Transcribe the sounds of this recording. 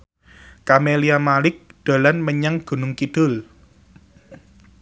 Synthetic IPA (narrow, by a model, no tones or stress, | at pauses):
kameliamalɪk̚ɖ̪̥a̤lanməɲaŋɡ̥ṳnʊŋkid̪̥ʊl